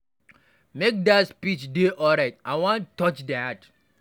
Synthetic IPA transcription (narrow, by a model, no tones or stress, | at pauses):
mek̚daspit͡ʃdeʔɔɹaɪtʔawɔ̃ntːɔt͡ʃdat